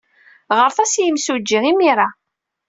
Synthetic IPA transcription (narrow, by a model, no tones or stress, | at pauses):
ʁəɾθæsjəmsud͡ʒːiʁimiɾˤa